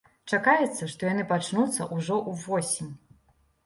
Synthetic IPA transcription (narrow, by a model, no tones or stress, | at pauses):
t͡ʂakajɛt̪sːɐʂt̪ɔjanɨpat͡ʂnut̪sːɐ̰ʔuʐɔʔuvɔsʲimʲ